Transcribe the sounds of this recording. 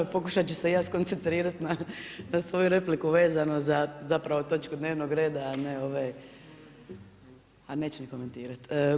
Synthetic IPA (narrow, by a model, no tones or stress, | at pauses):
po̞kuʃat͡ɕuse̞jaːsko̞nt̪se̞nt̪ɾiːɾat̪nanasʋo̞juɾe̞plikuʋe̞ːzanozazapɾaʋo̞t̪o̞t͡ʃkud̪neːʋnoɡɾe̞ːd̪aːneoʋaj | ane̞ːt͡ɕuniko̞me̞nt̪iːɾat̪ː